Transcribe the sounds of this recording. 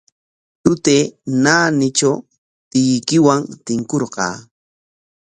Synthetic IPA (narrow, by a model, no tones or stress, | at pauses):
t̪ʊt̪eːnaːnɪt͡ʃaw | t̪ɪjkɪwaŋt̪ɪŋkoɾqɑ̰ː